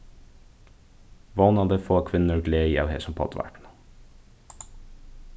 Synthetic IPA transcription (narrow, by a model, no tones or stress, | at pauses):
ʋɔnɑd̪əfoːkʰʋɪnəɹɡleːiːɑ̰ʉhḛːsɔmpʰɑ̰t̪ʰʋæ̰ʈn̩